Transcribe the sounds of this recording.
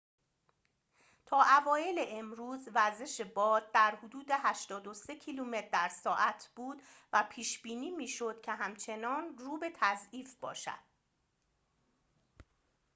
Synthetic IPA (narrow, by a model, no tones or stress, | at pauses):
t̪ʰɒːʔævɒːje̞le̞ʔemɾuːzvæɾze̞ʃe̞bɒːd̪̚d̪æɾhod̪uːd̪e̞ɦæʃt̪ɒːd̪o̞se̞cʰiluːmet̪̚d̪æɾsɒːʔæt̪ʰb̥uːd̪væpʰiːʃb̥iːniːmiːʃo̞d̪̥̚cʰe̞ɦæmt͡ʃʰe̞nɒːnruːbe̞t̪ʰæziːfb̥ɒ̰ːʃæ̰d̪̥̚